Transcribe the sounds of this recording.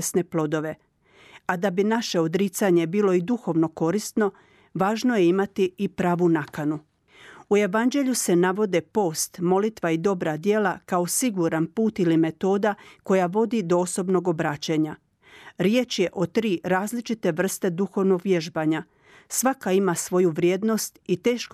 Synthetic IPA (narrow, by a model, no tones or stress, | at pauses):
sne̞plˠo̞d̪o̞ʋe̞ | ad̪abinaʃe̞o̞d̪ɾit̪saɲe̞biːlo̞id̪uxo̞ʋno̞ko̞ɾist̪no̞ | ʋaːʒno̞je̞imat̪iipɾaːʋunakanu | uje̞ʋand͡ʑe̞ʎuse̞naʋo̞d̪epo̞ːst̪mo̞lit̪ʋaid̪o̞bɾad̪je̞lakao̞siɡuɾanpuːt̪ilime̞t̪o̞ːd̪ako̞jaʋo̞d̪id̪o̞oso̞bno̞ɡo̞bɾaːt͡ɕeɲa | ɾjet͡ʃje̞ʔo̞t̪ɾiːɾaːzlit͡ʃit̪e̞ʋr̩st̪e̞d̪uxo̞ʋnoɡʋje̞ʒbaːɲa | sʋakaimasʋo̞juʋɾjeːd̪no̞st̪it̪e̞ːʃk